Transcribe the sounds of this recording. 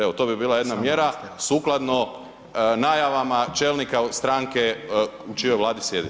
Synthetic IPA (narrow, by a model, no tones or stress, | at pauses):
eot̪o̞bibiːlˠaje̞d̪namje̞ɾasuːklˠad̪no | naːjaʋamat͡ʃelnikast̪ɾaːŋkeut͡ʃijojʋlˠaːd̪isje̞d̪i